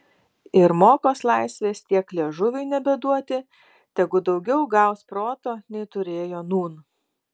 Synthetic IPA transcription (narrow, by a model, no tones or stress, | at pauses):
ɪɾmoːkoːslˠɑɪsʲʋʲeːst̪ʲiɛklʲeɛʒʊʋʲʊɪnʲɛbʲɛd̪uɔt̪ʲɪ | t̪ʲɛɡʊd̪ɒʊɡʲɛʊɡɑˑʊspɾoːt̪oːnʲɛɪt̪ʊɾʲeːjoːnuːn